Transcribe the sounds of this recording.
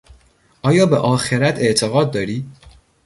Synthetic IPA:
ʔɒːjɒːbḛʔɒːxe̞ɾæt̪ʰe̞ʔt̪ʰeɣɒːd̪̚ːɒːɾiː

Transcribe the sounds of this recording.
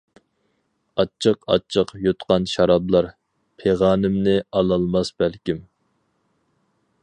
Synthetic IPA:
ɑt͡ʃʰːəqɑ̰t͡ʃʰːəqjot̪qʰɑnʃɑɾɑblˠɑɾ | pʰeʁɑːnɪmnɪɑlˠɑlˠmɑsb̥ælkʲim

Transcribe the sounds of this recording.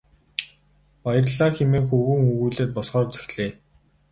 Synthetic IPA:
pajə̆rɮaːxemeːŋxɵɣŭːŋɵɣuːɮeːt̪̚pɔsχɔːrt͡sɵ̥xɮeː

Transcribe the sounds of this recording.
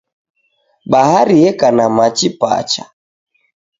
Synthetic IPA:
ɓahaɾiɛkanamat͡ʃipa̰t͡ʃa̰

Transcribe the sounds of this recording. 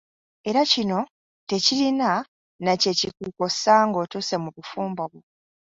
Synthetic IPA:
e̞ɾacino̞ | te̞cilina | nace̞cikuːkosaŋɡo̞ːtuse̞muβufuːmboβo

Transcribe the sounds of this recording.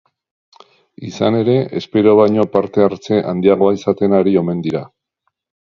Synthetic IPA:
isane̞ɾe̞ʔespe̞ɾoβ̞ajɲo̞paɾt̪e̞aɾt͡se̞ʔa̰nd̪iaɣ̞o̞aisat̪e̞naɾio̞me̞nd̪iɾa

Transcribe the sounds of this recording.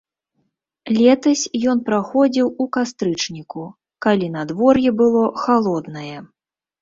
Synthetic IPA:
lʲɛt̪ɐsʲjɔn̪pɾaxɔd͡zʲiwukast̪ɾɨt͡ʂnʲiku | kalʲinad̪vɔrjɛbɨlˠɔxalˠɔd̪nɐjɛ

